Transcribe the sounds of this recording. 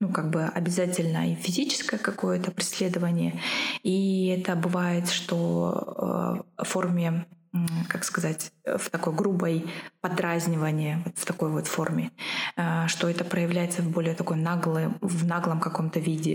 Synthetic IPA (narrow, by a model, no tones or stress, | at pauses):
nukaɡ̚bɨɐ̰bʲɪzatʲɪlʲnə̰ifʲɪzʲit͡ɕɪ̥skəjəkɐko̞jət̪əpɾʲɪsʲlʲed̪əvənʲɪjəiɛt̪əbɨvajɪt̪ʂt̪o̞̰ | fo̞rmʲɪ | kakskɐzatʲft̪ɐko̞jɡɾubəjpɐd̪ɾazʲnʲɪvənʲɪjəvo̞t̪ft̪ɐko̞jvo̞t̪fo̞rmʲɪ | ʂt̪o̞ɛt̪əpɾəjɪvlʲæjɪt̪səvbo̞lʲɪjət̪ɐkojnaɡlˠɨvnaɡlˠəmkɐko̞mt̪əvʲidʲɪ̰